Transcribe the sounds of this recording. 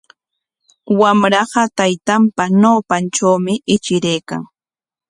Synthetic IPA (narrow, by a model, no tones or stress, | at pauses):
wamɾɑɢɑt̪ajt̪ampanawpant͡ʃawmɪʔɪt͡ʃɪɾejka̰ŋ